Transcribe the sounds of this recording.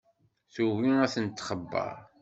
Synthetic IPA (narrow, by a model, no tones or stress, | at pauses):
θuwiæθənt̪ːχəbːə̰ɾ